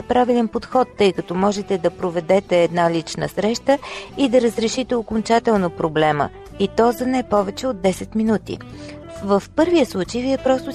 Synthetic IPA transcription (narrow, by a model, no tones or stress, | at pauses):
əpɾavilɛnpot̪xɔt̪ːɤjkɐt̪ɔmɔʒɛt̪ɛd̪ɐpɾovɛd̪ɛt̪ɛːd̪nalit͡ʃnə̰sɾɛʃt̪əid̪ɐɾəzɾɛʃit̪ɛokont͡ʃat̪ɛlˠnopɾoblɛmə̰ | it̪ɔzɐnɛpɔvɛt͡ʃɛod̪ːɛsɛt̪minut̪ḭ | vəfpɤɾvijəslˠut͡ʃəjviɛpɾɔst̪ʊ